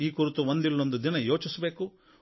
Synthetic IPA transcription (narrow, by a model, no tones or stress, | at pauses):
iːkuɾut̪uʋond̪ilːond̪ud̪inɐjo̞ːt͡ʃisɐbe̞ːku